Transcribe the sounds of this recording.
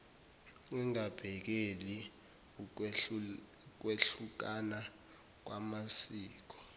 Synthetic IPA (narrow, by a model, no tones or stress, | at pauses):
wɛŋab̥ʱɛk̬eli | k̬weɬuk̬ana | k̬wamasiːk̬ɔ̥